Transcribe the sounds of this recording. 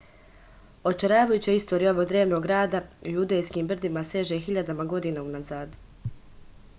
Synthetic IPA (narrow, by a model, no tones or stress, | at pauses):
o̞t͡ʃeɾaːʋajut͡ɕeist̪oɾijuo̞ʋo̞ɡd̪ɾeːʋno̞ɡɾaːd̪aujud̪ejskiːmbr̩d̪imaseʒexiʎad̪amaɡo̞d̪iːnaunazaːd̪